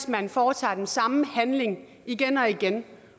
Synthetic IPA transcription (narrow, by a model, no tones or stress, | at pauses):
smænfɒːt͡sʰɑ̰̈ːd̥ensɑ̈məhænle̝ŋ | iɡ̥enɒ̽iɡ̥en